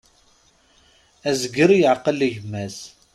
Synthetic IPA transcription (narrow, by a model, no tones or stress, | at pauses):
æzəɡəɾjəʕqələʝəmːæz